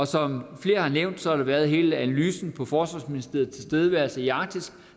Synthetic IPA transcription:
ɒ̽sɒ̽mfle̝ːɐhɑ̈neʊ̰nd̥sɒ̽hɑɾ̥ɑʋæɐð̞ˠɦe̝ːləænælyːsn̩pʰɒ̽fɒːsʋɑ̰̈ːsminisd̥e̝ɐːɐð̩ˠt͡sʰe̝lsd̥eːð̞ˠəʋæɐlsəiɑ̈ɡ̥̚d̥isɡ̥

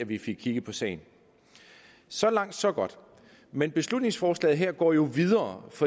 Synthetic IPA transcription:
æʋife̝ɡ̥̚kʰiɡ̥əpʰɒ̽sɛ̰ɪn̩ | sɒ̽lɑ̈ŋ̰d̥sɒ̽ɡ̥ɒ̽d̥ | menb̥e̝slud̥ne̝ŋsfɒːslɛ̰ːð̩ˠɦeɐ̰ɡ̥ɒ̰ːjo̝ʋiðˠɐːfɒ̽

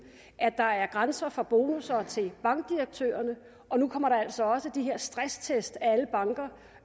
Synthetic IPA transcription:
ʔæd̥ɑ̈æɐɡ̥ʁansɐfɒb̥o̝ːnusɐt͡sʰe̝lb̥ɑ̈ŋɡ̥̚d̥iʁɐɡ̥̚t͡sʰø̰ːɐnə | ʔɒ̽nukʰɒ̽m̰ɐɾ̥ɑ̈æl̰sɒ̽ɒ̽səd̥iɦe̝ɐ̰sd̥ʁast͡sʰesd̥ææləb̥ɑ̈ŋɡ̥ɐ

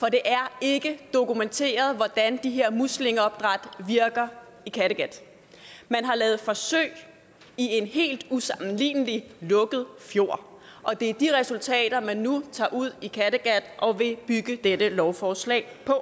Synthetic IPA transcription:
fɒ̽d̥e̝ʔæɐe̝ɡ̥əd̥o̝kument͡sʰe̝̰ːɐð̞̩ˠʋɒd̥ænd̥iɦe̝ɐ̰musle̝ŋɒ̽b̥d̥ʁɑ̈d̥ʋiɐɡ̥ɐ | ikʰæɾeɡ̥æd̥ | mænɦɑ̈lɛːð̩ˠfɒ̽sø̰ɪ | ie̝nɦe̝̰ːld̥usɑ̈mn̩lḭːnəlilɔ̽ɡ̥ð̩ˠfjo̝ɐ̰ʔɒ̽d̥e̝æɐd̥iʁɛsult͡sʰɛ̰ːd̥ɐmænːut͡sʰɑ̰̈ːʔuð̞̰ˠikʰæɾ̥əɡ̥æd̥ʔɒ̽ʋe̝b̥yɡ̥əd̥edəlɒʊfɒːslɛ̰ːɪpʰɒ̽

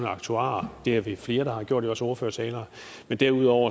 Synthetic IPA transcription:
nəɑ̈ɡ̥̚t͡sʰuɑ̰̈ːd̥e̝æɐʋe̝fle̝ːɐɾ̥ɑ̈hɑ̈ɡ̥jo̰ɐ̰djoɒ̽səɒʊɐfø̰ɐ̰sʰɛːlɐː | mend̥æɐuð̰ˠɒʊ̰ɐ

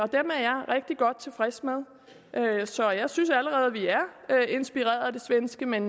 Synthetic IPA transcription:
ɒ̽d̥æɐmeɐjɑ̈ɪʁeɡ̥̚d̥iɡ̥ɒ̽d̥̚t͡sʰe̝lfʁɛsmeð̞ˠ | ʔøsɒ̽jɑ̈ɪsynsæləʁɛːð̩ˠʋiæɐe̝nsb̥iʁɛ̰ːɐð̩ˠæd̥e̝sʋensɡ̥əmen

